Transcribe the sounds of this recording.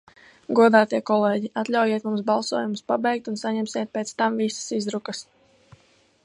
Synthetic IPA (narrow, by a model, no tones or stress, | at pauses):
ɡuɔd̪aːt̪iɛkɔlˠeːɟiat̪ʎʲawjeɛt̪mumsbɑlˠsuɔjumspabɛjk̚t̪unsaɲɛmsiɛt̪̚pet̪st̪amvisə̥sizɾukəs